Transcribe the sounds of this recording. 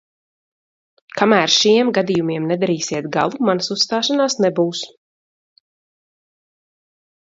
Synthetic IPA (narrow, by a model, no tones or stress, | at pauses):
kamæːɾʃiɛmɡad̪ijumiɛmnɛd̪aɾiːsiɛt̪̚ɡa̰lˠumansusːt̪aːʃanaːsnɛbuːs